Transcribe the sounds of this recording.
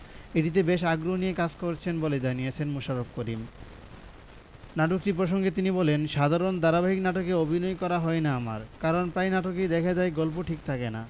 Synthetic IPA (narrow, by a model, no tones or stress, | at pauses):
iʈit̪̬ebeʃaɡɾoɦonijekad͡ʑkoɾt͡ɕʰenboled͡ʑanijet͡ɕʰenmuʃaɾofkoɾim | naʈokʈip̬ɾoʃ̬oŋɡet̪inibɔlenʃad̪ʱaɾond̪aɾabaɦiknaʈokeobʱinɔjkɔɾaɦɔenaama̰ɾkaɾonpɾajnaʈok̬ed̪ɛkʰad͡ʑaeɡɔlp̬oʈʰik̚t̪ʰakena̰